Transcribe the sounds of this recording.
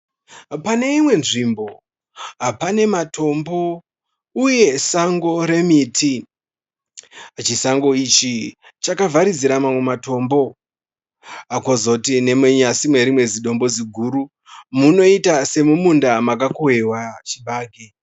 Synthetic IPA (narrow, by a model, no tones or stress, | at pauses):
pane̞imwe̞nʐimbo̞ | ɦapane̞matʰo̞mbo̞ | uje̞saŋɡo̞ɾe̞mitʰi | t͡ʃisaŋɡo̞it͡ʃi | t͡ʃakavaɾid͡ziɾamamwe̞mato̞mbo̞ | ako̞zo̞tine̞meɲasimwe̞ɾimwe̞d͡ziɗo̞mbo̞d͡ziɡʱuɾu | muno̞itase̞mumundamakakowewat͡ʃiɓaːɡʱe